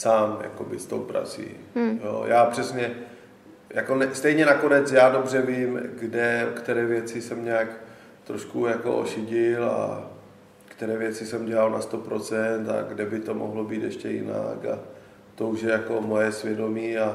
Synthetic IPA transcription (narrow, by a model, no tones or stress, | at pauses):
saːmja̰kobɪst̪o̰wpɾa̰t͡sḭːjo̰ːjaːpr̝̥ɛsɲɛ | jakonɛst̪ɛjɲɛnako̞nɛt͡sjaːdo̞brɛviːmɡdɛkt̪ɛɾɛːvjɛt͡sɪsɛmɲaːk | t̪ɾoʃkujako̞̰ʔo̰ʃɪɟɪla̰ | kt̪ɛɾɛːvjɛt͡sɪsɛmɟɛlalna̰st̪o̞pɾo̞t͡sɛnt̪a̰ɡdɛbɪt̪o̞mo̰ɦlo̞biːt̪ɛʃcɛjɪ̰na̰ka̰ | t̪o̞uʃjɛjako̞mojɛsvjɛdo̞miːa